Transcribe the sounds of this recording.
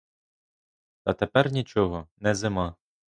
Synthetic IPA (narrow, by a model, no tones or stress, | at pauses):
t̪ɐt̪epɛrnʲit͡ʃɔɦɔnɛzɪmɑ